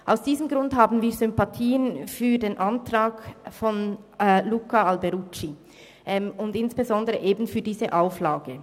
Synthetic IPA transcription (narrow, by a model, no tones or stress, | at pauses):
ʔaʊsd̥iːzəmɡʁʊnthaːbn̩viːɐzʏmpatʰiːənfyːɐdeːnʔantʁaːkfɔnlukaalbɛʁut͡ʃi | ʔɛmʊndɪnsb̥ezɔndəʁəʔeːbn̩fyːɐdiːzəʔaʊflaːɡə